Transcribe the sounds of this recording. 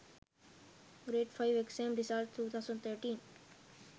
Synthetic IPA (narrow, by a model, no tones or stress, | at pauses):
ɡɾeːʈfaɪʋeksẽːmɾisalʈt̪ʰːuːt̪ʰaʊzə̃ɳɖt̪ʰəːɾʈĩːn